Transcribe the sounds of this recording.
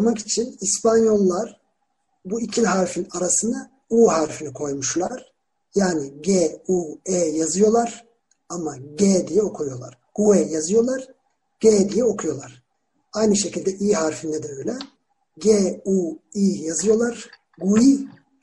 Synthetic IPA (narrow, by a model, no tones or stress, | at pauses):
maki̥t͡ʃʰinispʰanjo̞lˠːaɾ | buicʰiɦaɾfinaɾasɯnd̪a | uːɦaɾfinikʰo̞jmuʃlˠaɾ̥ | jaːniɟeːueːjazɯjo̞lˠaɾ̥ | amaɟeːd̪ijɛo̞kʰujo̞lˠa̰ɾ̥ɡ̥ueːjazɯjo̞lˠaɾ | ɟ̥eːd̪ijɛo̞kʰujo̞lˠaɾ̥ | ajnɯʃe̞cilʲd̪ɛʔiːɦaɾfinːɛd̪ɛøjlʲɛ | ɟeːuiːjazɯjo̞lˠaɾ̥ | ɡui